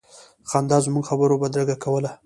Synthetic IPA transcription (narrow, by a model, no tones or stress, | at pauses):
xɑnd̪ɑzmuɡxabəɾobad̪ɾaɡakawəla